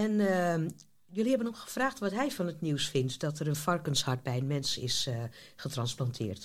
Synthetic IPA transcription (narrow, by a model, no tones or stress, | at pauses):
ɛn | jøːlihɛbənɔxxə̥fraːxtʋɔtɦɛjfɔnətniwsfɪntd̥ɔtərənfɑrkənshart̚bɛjənmɛnsɪ̰sxətrɑnsplantʰɪ̰ːrt